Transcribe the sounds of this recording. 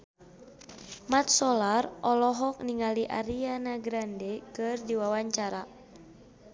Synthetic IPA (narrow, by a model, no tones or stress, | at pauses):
mat̪̚sɔlarɔlɔɦɔk̚niŋaliʔa̰ɾianaɡɾandɛkɨrdiwawaɲt͡ʃaɾa